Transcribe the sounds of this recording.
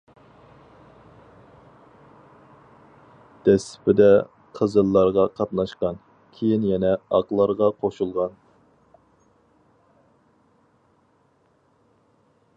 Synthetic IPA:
d̪̥ɛsɪ̥pɪd̪ɛ | qʰəzɨlˠːɑɾʁɑqʰɑp̪nɑʃqɑn | kʲʰejinjɛnɛɑqlˠɑɾʁɑqʰoʃulˠʁɑn

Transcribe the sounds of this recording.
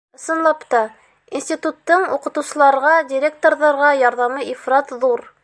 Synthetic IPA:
ɤ̆sɤ̆nlˠɑpt̪ɑ | insʲt̪ʲit̪ut̪ːɤɴuqɤ̆t̪ɤ̆wsɤ̆lˠɑɾʁɑdʲɪɾʲek̚t̪oɾðɑɾʁɑjɑɾðɑmɤʔifɾɑt̪ðuɾ

